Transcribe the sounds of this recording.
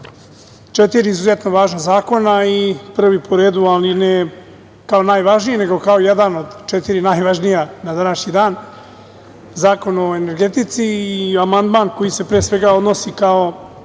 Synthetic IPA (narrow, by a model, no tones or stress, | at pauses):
t͡ʃet̪iɾiːzuzet̪noʋaːʒnazaːko̞naipr̩ʋipʰoɾe̞ːd̪ualine | kao̞naːjʋaʒnijene̞ɡo̞kao̞jed̪ano̞d̪t͡ʃet̪iɾinaːjʋaʒnijanad̪anaʃɲid̪aːn | zaːko̞no̞e̞ne̞ɾɡe̞t̪it̪siːamand̪maːnko̞jise̞pɾeːsʋe̞ɡao̞d̪no̞sikao̞